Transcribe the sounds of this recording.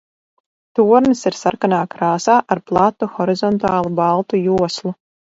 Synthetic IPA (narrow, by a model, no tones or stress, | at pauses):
t̪uɔɾnɨsiɾsaɾkanaːkɾaːsaːʔaɾplˠat̪ːuxɔɾizɔnt̪aːlˠubalˠt̪ujuɔslˠu